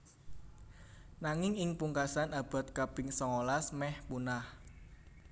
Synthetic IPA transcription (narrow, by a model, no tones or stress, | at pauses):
naŋɪŋɪŋpuŋkasanab̥a̤t̪̚kapɪŋsɔŋolasmɛhpunah